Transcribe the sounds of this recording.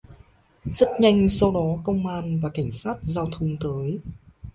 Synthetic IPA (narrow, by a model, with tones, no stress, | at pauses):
zə˦˥t̚ɲa˧jŋ̟sa˧wɗɔ˨˦kə˧wŋ͡mʔaː˧nvaː˨˩ka˧˩jŋ̟saː˦˥t̚zaː˧wt̪ʰə˧wŋ͡mt̪əː˨˦j